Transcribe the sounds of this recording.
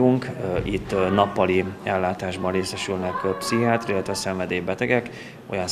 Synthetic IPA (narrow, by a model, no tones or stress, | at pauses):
uŋkːit̪ːnɒpːɒliɛlːaːt̪aːʒbɒnreːsɛʃylnɛkːøpsiɦaːt̪rilːɛt̪ʋɛsɛɱvɛd̪eːbɛt̪ɛɡɛk | o̞̰jɒn